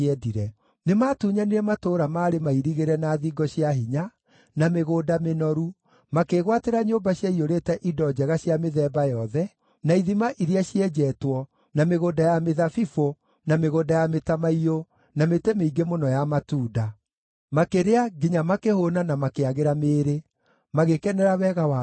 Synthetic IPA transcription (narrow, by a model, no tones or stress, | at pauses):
ɛdiɾɛ | nemaːtuːɲaniɾɛmatoːɾamaːɾemaiɾiɣeɾɛnaːðiːɡɔɕjaɦiɲa | nameɣoːdamenɔɾu | makeɣwateɾaɲoːmbaɕjaioɾeːtɛʔidɔd͡ʒɛɣaɕjameðɛːbajɔðɛ | naiðimaʔiɾiaɕiɛd͡ʒɛːtwɔ | nameɣoːdajameðafifo | nameɣoːdajametamaio | nametɛmeiɡemonɔjamatuːda | makeɾeaɡiɲamakehonanamakeaɣeɾameːɾe | maɣekɛnɛɾawɛɣawa